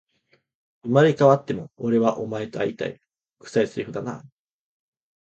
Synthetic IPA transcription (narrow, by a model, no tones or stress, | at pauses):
ɯmaɾʲikaβat̪ːe̞mo̞ːɾe̞βaʔo̞mae̞t̪oait̪a̰ḭ | kɯ̟̥saisɨɾʲiɸɯ̟d̪ana̰ː